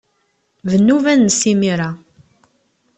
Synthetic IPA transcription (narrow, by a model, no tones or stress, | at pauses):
vənːuvænːsimiɾa